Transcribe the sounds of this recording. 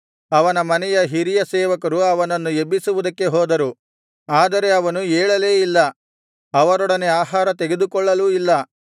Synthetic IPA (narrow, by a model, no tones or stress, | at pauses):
ɐʋɐnɐmɐnɛjɐɦiɾijɐsɛːʋɐkɐɾuɐʋɐnɐnːuebisuʋud̪ɐkːe̞ɦoːd̪ɐɾu | aːd̪ɐɾe̞ɐʋɐnueːɭɐle̞ːilːɐ | ɐʋɐɾɔɽɐne̞aːɦaːɾɐt̪e̞ɡe̞d̪ukɔɭːɐluilːɐ